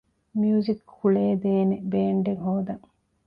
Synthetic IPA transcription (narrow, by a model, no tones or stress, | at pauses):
miuzikːuɭeːd̪eːnebeːɳɖeŋɦoːd̪ɐŋ